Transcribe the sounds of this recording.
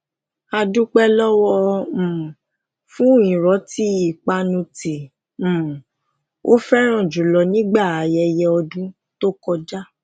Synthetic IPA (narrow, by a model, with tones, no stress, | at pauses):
a˧dũ˦k͡pɛ˦lɔ˦wɔ̃˧˨ | fũ˦õ˦˨ĩ˨ɾɔ˨˦ti˦i˦˨k͡pa˧nũ˧tĩ˨ | o̰˦fɛ˦ɾ̃ã˦˨d͡ʒu˨lɔ˨˧nĩ˦ɡ͡ba˦˨a˨jɛ˧jɛ˧ɔ˧dũ˦ | to˦kɔ˧d͡ʒa˦˨